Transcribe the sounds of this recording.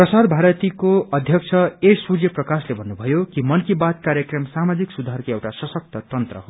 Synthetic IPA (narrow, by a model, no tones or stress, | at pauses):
prʌsad̪bʱaɾʌt̪ikoʌd̪ʱjʌk̚t͡sʰʌesuɾjʌprʌkaslebʱʌnːubʱʌjokimʌnkibat̪̚kaɾjʌkrʌmsamad͡ziksud̪ʱarkoewʈasʌsʌk̚t̪ʌt̪ʌnt̪rʌ̰ɦo